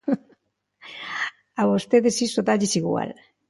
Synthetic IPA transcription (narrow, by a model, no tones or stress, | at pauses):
awost̪eðesisot̪aʎisiɣua̰l